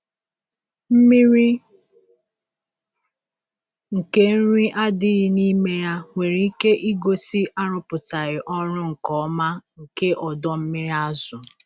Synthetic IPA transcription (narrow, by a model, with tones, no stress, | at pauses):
m̩˦mi˦ɾi˦ | ŋ̩˨ke˦n̩˦ɾi˦ʔa˦dɪ˦ɣɪ˦ni˦me˦ja˦ŋʷe˨ɾi˨i˦ke˦ʔi˦ɡo˨si˦ʔa˦ɾʊ˦pʊ˨ta˨ɾɪ˨ʔɔ˦ɾʊ˦ŋ̩˨kɔ˨˦ma˦ŋ̩˨ke˦ʔɔ˨dɔ˦m̩˦mi˦ɾi˦a˦zʊ˨